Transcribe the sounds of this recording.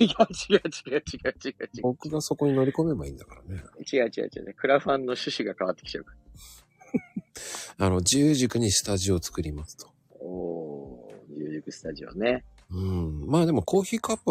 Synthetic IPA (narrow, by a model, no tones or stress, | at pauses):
iɡat͡ɕiɡat͡ɕiɡat͡ɕiɡait͡ɕiɡat͡ɕio̞kɯ̟ɡaso̞ko̞ɲ̟ino̞ɾʲiko̞me̞baĩnd̪akaɾaneit͡ɕiɡait͡ɕiɡa̰it͡ɕiɡa̰akɯ̟ɾaɸãnːo̞ɕɨɕiɡakaβat̪ːekʲi̥t͡ɕaokḁ | ano̞d͡ʑɨːʑikɯ̟ɲ̟isɨ̥t̪aʑio̞t͡sɨ̥kɯ̟ɾʲimasɨ̥t̪o̥ | oː | d͡ʑɨːʑikɯ̟sɨ̥t̪aʑio̞̰ne̞ | ɯ̟̃maːd̪e̞mo̞ko̞ːçiːkapːɯ